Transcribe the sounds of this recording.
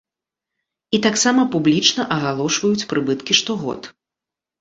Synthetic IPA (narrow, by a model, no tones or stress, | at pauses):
it̪aksamɐpublʲit͡ʂnɐʔɐɣalˠɔʂvɐjut͡sʲpɾʔɨbɨt̪kʲiʂt̪ɔɣɔ̰t̪